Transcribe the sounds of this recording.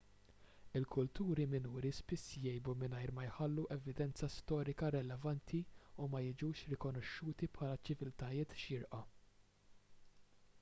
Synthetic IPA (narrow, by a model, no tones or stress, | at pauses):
ɪlkʰʊlt̪uːɾimɪnuːɾispɪsːjɛjbumɪnɐjɾmɐjħɐlːuʔɛvɪd̪ɛnt͡sɐst̪ɔːɾɪkɐɾɛlɛvɐnt̪ʰiumɐjɪd͡ʒuːʃɾɪkɔnɔʃːuːt̪ipħɐːlɐt͡ʃɪvɪlt̪ɐjɪːt̪ʃɪɾʔɐ